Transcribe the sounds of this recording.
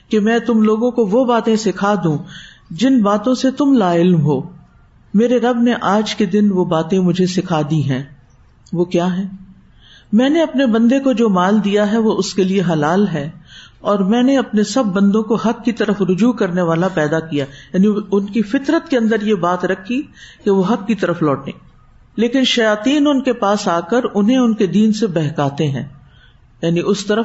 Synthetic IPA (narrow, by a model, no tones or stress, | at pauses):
kemɛ̃ːt̪ʊmloːɡõkoʋobaːt̪ẽsɪkʰad̪ũ | d͡ʒɪnbaːt̪õset̪ʊmlaːɪlmɦoː | meːɾeɾɐbneʔaːd͡ʒked̪ɪnʋobaːt̪ẽmʊd͡ʒʱesɪkʰaːd̪iɦɛ̃ː | ʋoːkjaːɦɛ̃ː | mɛ̃ːneɐpnebɐ̃nd̪ekod͡ʒoːmaːld̪ijaɦɛʋoʊskelieɦɐlaːlɦɛːɔːɾmɛ̃ːneɐpnesɐbːɐ̃nd̪õkoɦɐkːit̪ɐɾəfɾʊd͡ʒuːkɐɾneʋaːlapɛːd̪akijajaːniʊnkifɪt̪ɾət̪̚keɐ̃nd̪əɾjebaːt̪ɾɐkʰːikeʋoɦɐkːit̪ɐɾəflɔːʈḛ̃ː | leːkɪnʃɐjaːt̪iːnʊnkepaːsaːkəɾʊnɦẽʊnked̪iːnsebɛːɦkaːt̪eɦɛ̰̃ː | jaːniʔʊst̪ɐɾə